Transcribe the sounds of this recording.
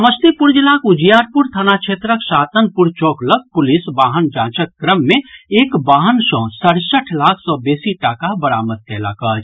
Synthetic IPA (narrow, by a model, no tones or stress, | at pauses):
səməst̪epuɾd͡ʒlaːkʊd͡ʒijaːɾpuɾt̪ʰanakt͡ʃʰeːt̪ɾəkʃaːt̪ənpuɾt͡ʃɔːklək̚pʊlɪsbaːɦənd͡ʒãːt͡ʃəkːɾəmːẽeːkbaːɦənsɔ̃ːsəɽsəʈʰlaːkʰsɔːbeːsiʈaːkabəɾa̰ːməd̪̚k̪ʰɛːla̰kəːd͡ʒ